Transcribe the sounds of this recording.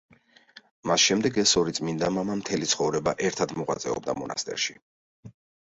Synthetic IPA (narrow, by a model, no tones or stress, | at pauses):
masʃɛmd̪ɛɡɛsɔɾit̪sʼmind̪amamamt̪ʰɛlit̪sʰχɔvɾɛba̰ʔɛɾt̪ʰad̪mɔʁwat̪sʼɛ̰ɔ̰b̚d̪a̰mɔnʔa̰st̪ʼɛ̰ɾʃi